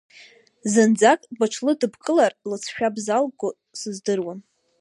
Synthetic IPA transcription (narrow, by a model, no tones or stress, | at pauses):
zɨnd͡zakʼbaʈ͡ʂʰlɨdɨbkʼɨlarlɨt͡sʰʃᶣabzalɡʊ | sɨzdɨrwan